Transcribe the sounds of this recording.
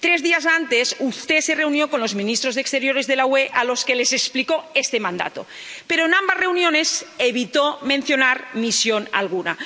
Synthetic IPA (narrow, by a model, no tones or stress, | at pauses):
t̪ɾe̞zðiaz̬ant̪e̞sust̪ese̞reunjo̞konlo̞zmĩnist̪ɾo̞zðekst̪e̞ɾjo̞ɾe̞zðe̞laweʔalo̞ske̞lesekspliko̞est̪emãnd̪a̰t̪o̰ | peɾoenambazre̞unjo̞ne̞seβit̪omẽn̟θjo̞naɾmisjo̞na̰lɣ̞una̰